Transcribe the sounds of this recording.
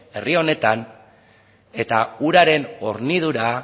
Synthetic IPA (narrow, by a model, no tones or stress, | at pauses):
e̞rio̞ne̞t̪an | e̞t̪auɾaɾe̞no̞ɾnið̞uɾa